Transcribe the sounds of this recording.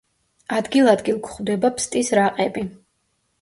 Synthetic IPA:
ad̪ɡilˠad̪ɡilˠkʰχvd̪ɛbapʰst̪ʼisɾaqʼɛbi

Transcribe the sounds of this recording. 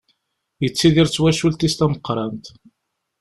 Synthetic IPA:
jət͡sːiðiɾt͡sːwæʃult̪ist̪æməqːɾˤɑnt̪

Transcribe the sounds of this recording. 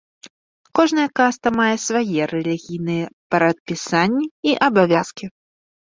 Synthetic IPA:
kɔʐnɐjɛkast̪ɐmajɛsvajɛɾɛlʲiɣʲijnɨjɛpɐɾɐt̪̚pʲisanʲːiiʔɐbavʲaskʲi

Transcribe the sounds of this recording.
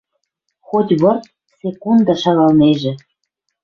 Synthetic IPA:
xotʲβɤ̆rt̪̚ | sʲekund̪ɑʃɑlɑlˠneʒɘ̆

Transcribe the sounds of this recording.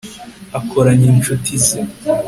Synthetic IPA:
akʰoɾaɲint͡ʃutize

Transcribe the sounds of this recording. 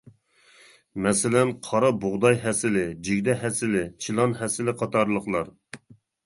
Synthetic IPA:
mɛsɪlɛnqʰɑɾɑboʁd̪ɑjɦɛsɪlɪd͡ʒiɡʲd̪ɛɦɛsɪlɪt͡ʃʰilˠɑnhɛsɪlɪqʰɑt̪ʰɑɾlˠəχlˠɑɾ

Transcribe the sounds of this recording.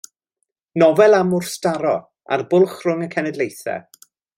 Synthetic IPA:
nɔvɛlˠamʊrstaɾɔ | a̰rbʊlˠχrʊŋəkʰɛnɛdlˠejθɛ̰

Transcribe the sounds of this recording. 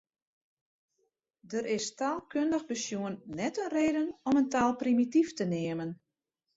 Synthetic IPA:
dəɾɪstaːlˠkøndəxbəsjuənːɛtənreːdənɔməntaːlˠprimitiftənɪːəmən

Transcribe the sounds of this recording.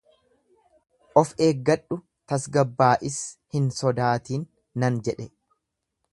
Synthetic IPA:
ʔɔfe̞ːɡːɐɗːʊ | t̪ɐsɡɐbːaːʔɪshɪnsɔd̪aːt̪iːnː | ɐnd͡ʒɛᶑɛ

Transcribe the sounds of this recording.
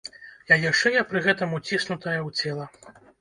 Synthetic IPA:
jajʲaʂt͡ʂɛjɐpɾɨɣɛt̪ɐmut͡sʲisnut̪ɐjɐwt͡sʲɛlˠɐ

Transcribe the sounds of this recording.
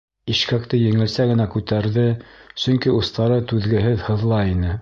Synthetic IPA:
iʃkæk̚t̪ɘjɘ̆ŋɘ̆lsæɡɘ̆nækʉt̪æɾðɘsɵ̆ŋkiŏst̪ɑɾɤt̪ʉðɡɘ̆ɦɘðhɤ̆ðlˠɑinɘ

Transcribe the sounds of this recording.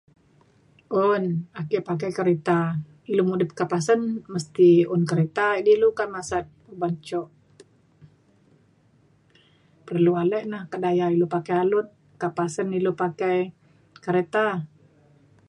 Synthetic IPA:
ɔnakɛpakajkəɾet̪a | ilomudəp̚kapasənməst̪iʊnkəɾet̪adilukamasat̪̚pəbaɲt͡ʃɔʔ | pərlualɛʔnahkədajailopakɛalʊt̪̚ | kapasənilopakaj | kəɾet̪a

